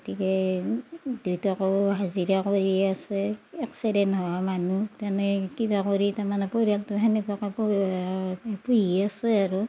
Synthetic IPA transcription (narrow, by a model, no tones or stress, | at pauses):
ɡotikɛ | dujtɔkɔwɦaziɹakoɹiasɛɛksidɛntɦɔwamanutanɛkibakoɹitamanɛpoɹialtɔɦanipɔkap | pujiasɛaɹu